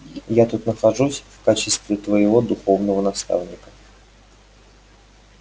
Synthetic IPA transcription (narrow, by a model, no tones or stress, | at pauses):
jat̪ut̪nəxɐʐusʲfkat͡ɕɪst̪vʲɪt̪vəjɪvo̞d̪ʊxo̞vnəvənɐst̪a̰vnʲɪkə̥